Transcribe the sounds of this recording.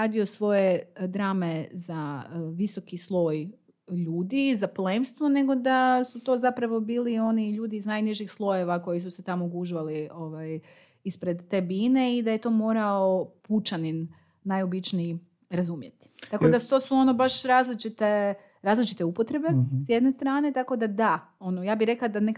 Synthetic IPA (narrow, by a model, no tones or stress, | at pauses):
aːd̪io̞sʋo̞je̞d̪ɾaːmezaʋiso̞kislˠo̞ːj | ʎuːd̪izaplemst̪ʋone̞ɡo̞d̪asut̪o̞ːzapɾaʋo̞biːlio̞niʎuːd̪iːznajniʒixslˠo̞je̞ʋako̞jisuse̞t̪amoɡuʒʋalio̞ʋaj | ispɾe̞d̪ːe̞biːne̞id̪aje̞t̪o̞ːmo̞ːɾao̞put͡ʃanin | najo̞bit͡ʃnii | ɾazumje̞t̪i̥t̪akod̪at̪oːsuo̞no̞baʃɾaːzlit͡ʃit̪e | ɾaːzlit͡ʃi̥t̪e̞upo̞t̪ɾe̞be̞sje̞d̪ne̞st̪ɾaːne̞t̪ako̞d̪ad̪a | o̞nojaːbiɾe̞klad̪anek